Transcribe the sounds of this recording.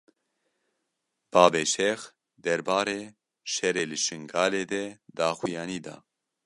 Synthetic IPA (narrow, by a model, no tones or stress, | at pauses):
b̥aːbɛʃɛx | d̪ɛɾbaːɾeː | ʃɛɾeːlɨʃɨŋɡaːleːd̪ɛd̪aːxijaːniːd̪a̰ː